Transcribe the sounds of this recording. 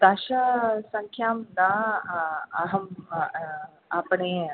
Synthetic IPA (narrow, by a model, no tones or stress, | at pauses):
d̪aɕasəŋkʰjaːmna | aɦəm | apɳe